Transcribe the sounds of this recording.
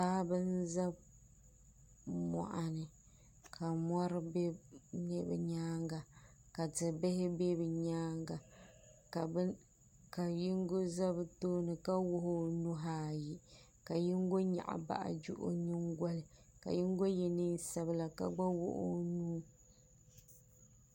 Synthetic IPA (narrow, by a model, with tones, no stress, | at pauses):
paː˦bɨ˦nza˦b | mɔ̰˨ʔa˨nɨ˨ | kʰa˨mɔ˦ɾɨ˦be˦ɲɛ˦bɛ̰˨ɲaː˦ŋɡa˨ka˨tɨ˨be˦hɪ˦be˦bɛ˨ɲaː˦ŋɡa˨ | k | ka˨ji˦ŋɡo˦za˦bɨ˨˦toː˦nɨ˨ka˦wʊ˦ɦʊ˦nu˦ɦaː˨ji˨ | ka˨ji˦ŋ˦ɡo˦ɲa̰˨ʔa̰˨ba̰˦ʔa̰˨d͡ʒṵ˦ʔʊ̰˦ɲɪ˦ŋɡʷa˦lɨ˨ | ka̰˨ji˦ŋ˦ɡo˦jɛ˨nɨ˦n˦sa˨bɨ˨la˨ka̰˦ɡ͡ba˦wʊ̰˦ʔʊ˦nuː˦